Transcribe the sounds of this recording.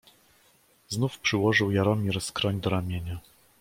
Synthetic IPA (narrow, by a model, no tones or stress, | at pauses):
znufpʂɘwɔʐɘwjaɾɔmʲiɾskɾɔɲd̪ɔɾamʲjeɲa